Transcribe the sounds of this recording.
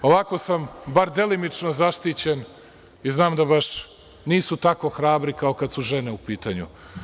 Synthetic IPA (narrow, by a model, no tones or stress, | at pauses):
oʋako̞sambaɾd̪e̞limit͡ʂnozaʃt̪it͡ɕen | iznaːmd̪abaʃ | niːsut̪ako̞xɾaːbɾikao̞kad̪suʒeneupiːt̪aɲṵ